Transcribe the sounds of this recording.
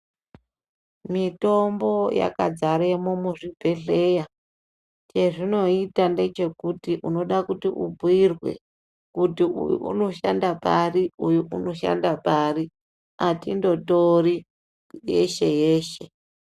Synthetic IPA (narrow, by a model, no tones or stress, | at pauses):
mito̞mbo̞ja̰kad͡zaɾemomuʐibʱe̞ɬe̞ja | t͡ʃe̞ʐino̞itande̞t͡ʃe̞kutiʔuno̞ɗakutiʔṵbʱirwe̞̰ | kutiṵjṵʔṵno̞ʃandapariujuʔuno̞ʃa̰ndapaɾi | atindo̞tori | je̞̰ʃe̞je̞ːʃe̞